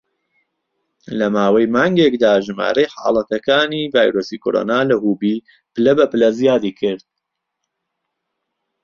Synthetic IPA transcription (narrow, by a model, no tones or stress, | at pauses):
lɐmaːwɐjmaːŋɡekd̪aːʒɨma̰ːɾɐjħa̰ːlˠɐt̪ɐkaːniːvaːjɾoːsikʰo̰ɾʔo̰ːnaːlɐhuːbiː | pɨlɐbɐpɨlɐzijaːd̪iːkʰɪɾd̪̚